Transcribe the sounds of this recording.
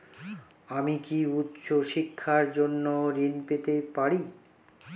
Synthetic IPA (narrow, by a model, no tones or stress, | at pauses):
amikiut̪ːʃoʃikʰːaɾd͡ʑonːoɾinpet̪epaɽi